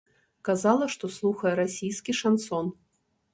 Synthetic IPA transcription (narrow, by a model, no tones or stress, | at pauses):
kazalˠɐʂt̪ɔslˠuxɐjɛɾasʲijskʲiʂansɔn